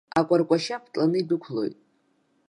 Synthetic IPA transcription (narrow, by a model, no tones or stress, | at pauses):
akʷʼarkʷʼaʃapʰt͡ɬʼanɨidɨkʷʰlo̞̰jtʼ